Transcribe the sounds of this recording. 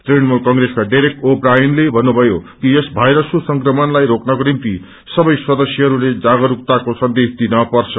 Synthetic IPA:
t̪renmulkʌŋɡɾeskaɖajɾek̚ʈoprajnlebʱʌnːubʱʌjokijesbʱajɾʌskosʌŋkrʌmʌnlajɾoknʌkonimt̪i | sʌbʌjswʌd̪ʌsjʌɦʌɾuled͡zaɡʌɾuk̚t̪akosʌnd̪esd̪inʌpʌrt͡sʰʌ

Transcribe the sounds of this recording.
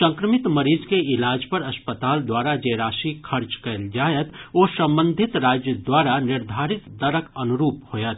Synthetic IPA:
sə̃ŋkɾəmɪt̪mɐɾiːzkeɪlaːd͡ʒpɐɾɐspət̪aːld̪waːɾad͡ʒəɾaːʃikʰɐɾt͡ʃkɐld͡ʒaːjət̪oːsɐ̃mbə̃nd̪ʱɪt̪ɾaːd͡ʒjəd̪waːɾanɪɾd̪ʱaːɾɪt̪d̪ɐɾəkɐnʊɾuːphoːjət̪

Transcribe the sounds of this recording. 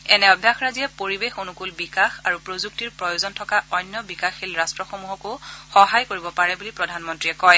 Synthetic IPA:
ɛnɛɔbʱjaxɹazijapoɹibexonukulbikaxaɹupɹozuk̚tiɹpɹɔjozɔntʰɔkaʔɔjnjɔbikaxilɹastɹɔxomuɦɔkʊxɔɦajkoɹibɔpaɹɛbulipɹɔdʱanmɔntɹiɛkɔj

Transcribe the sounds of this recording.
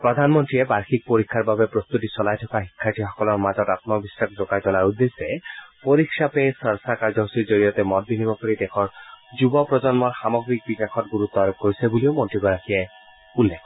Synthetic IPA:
pɹɔd̪ʱanmɔntɹiɛbaɹxʰik̚poɹikʰːaɹbabɛpɹost̪utisɔlajtʰɔkaɦikʰːatʰixɔkɔlɔɹmazɔtat̪mɔbisakzɔkajtɔlaɹud̪ːesɛpoɹikʰsjapesəɹsakaɹzɔɦusiɹzoɹijɔt̪ɛmɔt̚binimɔkɔɹid̪ɛxʰɔɹzubɔpɹɔzɔnmɔɹxamɔɡɹik̚bikakʰɔtɡuɾut̪ːɔaɾɔk̚koɹisebuliomɔntɹibɔɹakʰiɛ | ulːekʰɔ

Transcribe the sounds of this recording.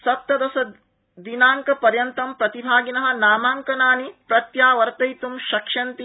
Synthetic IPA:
sɐp̚t̪ːɐd̪ɐsɐ | d̪inaːŋkɐpɐɾjɐnt̪ɐmpɾɐt̪ibʱaːɡinɐɦɐ̆naːmaːŋkɐnaːnipɾɐt̪jaːʋɐɾt̪ɐjt̪umʃɐkʂɐnt̪i

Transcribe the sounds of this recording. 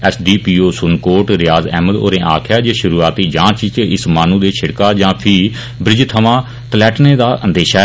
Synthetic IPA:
ɛːsɖiːpiːoːsʊnkoːʈɾɪjaːzɛ̰ːməd̪o̰ːɾẽːʔa̰ːkʰjaːd͡ʒeːʃʊɾuːaːt̪iːd͡ʒãːt͡ʃt͡ʃɪsmaːnũːd̪eːt͡ʃʰɪɽkaːd͡ʒãːpʰiː | bɾɪd͡ʒt̪ʰəʋãː | t̪əlɛːʈnẽːd̪aːʔə̃nd̪eːʃaː

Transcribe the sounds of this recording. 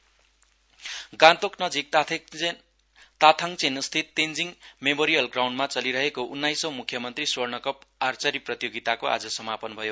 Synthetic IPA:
ɡãt̪oknʌd͡zik̚ | t̪at̪ʰaŋt͡senst̪ʰit̪ːend͡ziŋmemoɾijʌlɡraw̃ɳɖmat͡sʌliɾʌɦekoʔunːajsʌwmukʰjʌmʌnt̪risornʌkʌpart͡sʌɾiprʌt̪joɡit̪akoʔa̰d͡zʌsʌmapʌnbʱʌjo

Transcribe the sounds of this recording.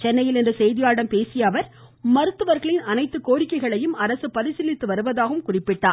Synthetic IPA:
t͡ʃɛnːɐjɪlɛndrɯsɛjðɪjaːɽɐmpeːsɪjɐːʋɐɾ | mɐɾɯt̪ːɯʋɐɾɣɐɭɪnɐnɐɪt̪ːɯkoːɾɪkːɐɪɣɐɭɐjɯmɐɾɐsɯpɐɾɪsɪlːɪt̪ːɯʋɐɾɯʋɐðaːɣɯmkʊrɪpːɪʈːaː

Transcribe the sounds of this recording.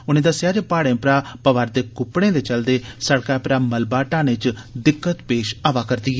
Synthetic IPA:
ʊnẽːd̪əsːɪjaːd͡ʒepaːɽẽːpɾaːpəʋaːɾd̪eːkʊpːɽẽːd̪eːt͡ʃəld̪eːsəɽkaːpɾaːməlbaːʈãːnẽt͡ʃd̪ɪkːət̪peːʃaːʋaːkəɾd̪iːɛ

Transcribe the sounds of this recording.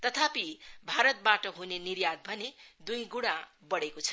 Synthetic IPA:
t̪ʌt̪ʰapibʱaɾʌt̪̚baʈʌɦuneniɾjad̪̚bʱʌned̪ujɡuɽ̃a | bʌɽekot͡sʰʌ̥

